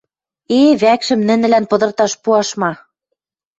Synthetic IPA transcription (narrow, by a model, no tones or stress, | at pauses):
eβækʃɘ̆mnɘ̆nɘ̆lænpɤ̆d̪ɤ̆rt̪ɑʃpuɑʃmɑ